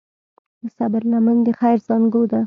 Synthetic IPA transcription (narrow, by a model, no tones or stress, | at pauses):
d̪əsabəɾnamand̪əxajɾzɑŋɡod̪a